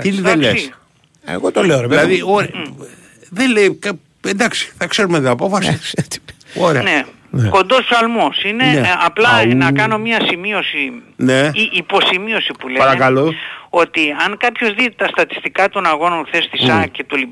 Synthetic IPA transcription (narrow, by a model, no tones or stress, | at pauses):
t̪inelles | ḛɣot̪oleoɾeilɐðioɾe | ðenlejkɐ | end̪ɐksi̥θɐkse̞ɾumet̪iɐpo̞fɐsisei̥oɾeɐne | nko̞nd̪o̞spsɐlmosine̞ɐplɐnɐkɐno̞mɲɐsimio̞sineʔːpo̞simio̞sipuleɐɾɐkɐloo̞t̪iɐŋkɐpço̞zðit̪ɐst̪ɐt̪i̥st̪ikɐt̪o̞nɐɣo̞nɐθest̪isɐce̞t̪oli